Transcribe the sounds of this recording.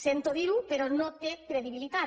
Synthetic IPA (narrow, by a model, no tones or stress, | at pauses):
sent̪oðiɾupeɾonõt̪ekɾeðiβilit̪a